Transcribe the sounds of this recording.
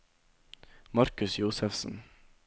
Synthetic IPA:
mɑɾkʉsjuːsəfsn̩

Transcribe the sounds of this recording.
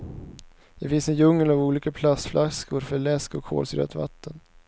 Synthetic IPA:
d̪̥ɛfɪnsɛnjɵŋːəlavuːliːkapʰlast̪flʔaskʊɾfœɭɛskɔkʰo̰ːlsɾœ̰t̪va̰t̪ʰːən

